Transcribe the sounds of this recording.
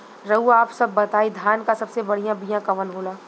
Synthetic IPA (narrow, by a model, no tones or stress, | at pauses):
ɾɐɦuaːpsɐbːɐt̪aːid̪ʱjaːnkasɐbsebɐɽ̤ijãbijãkɐʋənɦoːlaː